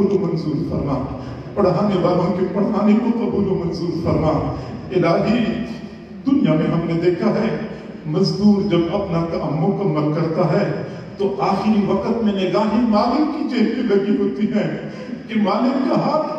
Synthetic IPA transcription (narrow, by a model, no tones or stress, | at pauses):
oɡomɐnzuːɾfɐɾna | pɐɽ̤ɦaːnebaːɾõkepɐɽ̤ɦaːnĩkoːt̪aɦolomɐnzuːɾfɐɾnaelaːd̪i | d̪ʊnijamẽɦɐmnẽd̪eːkʰaɦɛ | mɐzd̪uːɾd͡ʒɐbɐpnakaʔɐmːõkamɐɾkɐɾt̪aɦɛː | t̪oʔaːxɪɾiʋɐqət̪mẽneɡaːɦimaːlɪkkit͡ʃeːɾimẽlɐɡiɦoːt̪iɦɛ̃ː | kimaːlɪkkɐɦaː